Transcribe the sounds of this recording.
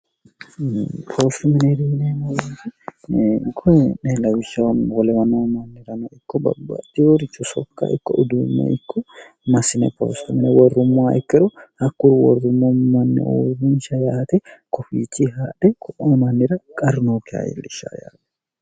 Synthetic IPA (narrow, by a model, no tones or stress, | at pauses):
pʰost̪ʊmɪnɛd̪iːnɛmɐit̪ɪ | ɡɔjɛnelɐwɪt͡ʃːɐwnwɔlɛmɐnomɐnːɪɾɐnɐɪkːɔbɐ̰bːa̰ːt̪ːɪwoɾɪt͡ʃːɔsɔkːa̰ʔɪkːɔʊd̪umːɛ̰ʔɪkːɔ | mɐsɪnɛpo̰ːst̪ʊmɪnɛwɔrːʊmːɔaʔɪkːɛɾɔhɐkːʊɾwɔrːʊmːɔmɐnːɛ̰ʔo̰ːɾʊnʃɐjaːt̪ɛkɔfḭːt͡ʃʼːiɦaːᶑɛkʰɔʔomɐnːɪɾɐkʼɐɾnoːkɪa̰jɛ̰lːɪʃa̰ja̰ːt̪ɛ̥